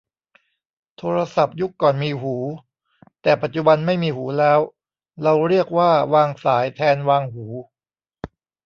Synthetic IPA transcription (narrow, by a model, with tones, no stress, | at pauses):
t̪ʰoː˧ɾa˧sa˨˩p̚ju˦˥kːɔː˨˩nmiː˧ɦuː˩˦ | t̪ɛː˨˩pa˨˩t̪̚t͡ɕu˨˩ba˧nma˥˩jmiː˧huː˩˦lɛː˦˥w | ɾa˧wɾi˥˩ək̚waː˥˩waː˧ŋsaː˩˦jt̪ʰɛː˧nwaː˧ŋɦuː˩˦